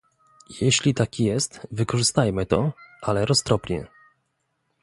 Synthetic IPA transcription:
jɛɕlʲit̪akʲijɛst̪vɘkɔʐɘst̪ajmɘt̪ɔ̰ʔalɛɾɔst̪ɾɔpɲɛ̰

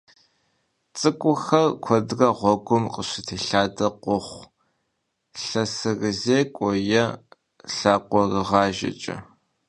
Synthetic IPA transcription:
t͡sʼɨkʷʼʊxɐrkʷʰɔdrɐʁʷɔɡʷʊmqəɕɪtʰeːɬaːdɐqʷʊχʷ | ɬɐsɨrɨzeːkʷʼɔjɐ | ɬaːqʷɔrɨʁɑːʒɐ̰t͡ʃʼɐ̰

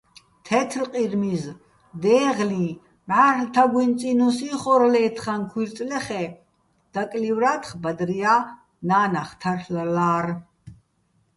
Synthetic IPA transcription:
t̪ʰɛt̪ʰlqʼiɾmiz | d̪ɛːʁli | mʕaːɾlt̪ʰaɡwint͡sʼinusiχɔɾlɛːt̪ʰχankʰwiɾt͡s̪ʼlɛχɛ | d̪̥akʼlivɾat̪ʰχbad̪ɾia | naːnaχt̪ʰarllaːɾ

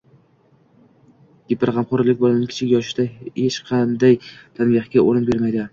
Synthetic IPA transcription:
ɡ̥ʲɪpɪɾʁɑmχʊɾlɪkʲbolanɪkʰʲɪ̥t͡ʃʰɪkʲjɒʃɪd̪ahet͡ʃqʰɑnd̪ajt̪ʰanbɪχkʲaoɾɪnbe̞ɾmajd̪ɪ

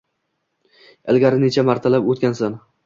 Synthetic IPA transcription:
ɪlɡʲaɾɪnet͡ʃʰamaɾt̪ʰalapot̪̚ʲkʲansan

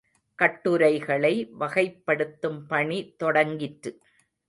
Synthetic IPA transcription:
kɐʈːɯɾɐɪɣɐɭɐɪʋɐɣɐɪpːɐɽɯt̪ːɯmpɐɳit̪ɔɽɐŋɡɪʈɾɯ

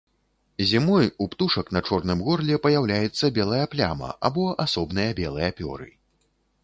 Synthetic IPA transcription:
zʲimɔjupt̪uʂɐkn̪ɐt͡ʂɔrnɨmɣɔrlʲɛpɐjawlʲajɛt̪sːɐbʲɛlˠɐjɐplʲa̰mɐ̰ʔa̰bɔʔasɔbn̪ɨjɐbʲɛlˠɨjɐpʲɔ̰ɾɨ̰

